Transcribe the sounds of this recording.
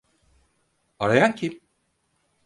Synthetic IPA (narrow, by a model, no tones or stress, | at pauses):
aɾajancʰim